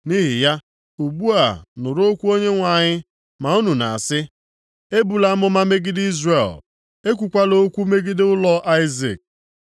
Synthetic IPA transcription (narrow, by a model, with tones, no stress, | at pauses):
ni˦ɦɪ̰˨ja˦ | u˨ɡ͡bu˦a˨nʊ˨ɾo˦kʷu˦o˦ɲe˦ŋʷa˨ɲɪ˦ | ma˨u˦nu˨na˨a˨sɪ˦ | e˦bu˨la˨a˦mʊ˦ma˦me˦ɡɪ˦di˦zre˨l | e˦k̬ʷu˨kʷa˦lo˦kʷu˦me˦ɡɪ˦dɪ˦ʊ˦lɔ˦ʔa˦ɪ˦zḭ˨k̚